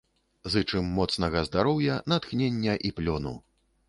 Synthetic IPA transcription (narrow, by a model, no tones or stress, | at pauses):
zɨt͡ʂɨmːɔt̪snɐɣɐzd̪aɾɔwjɐnɐt̪xnʲenʲːɐʔiplʲɔnṵ